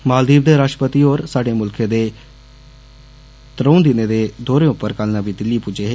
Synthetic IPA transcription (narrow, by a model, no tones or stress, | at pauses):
maːld̪iːb̚d̪eːɾaːʃʈəpət̪iːoːɾsaːɖeːmʊlkʰeːd̪eː | t̪əɾəund̪ɪneːd̪eːd̪oːɾeːʊpːəɾkalnãːʋiːd̪ɪlːiːpuːd͡ʒeːɦeː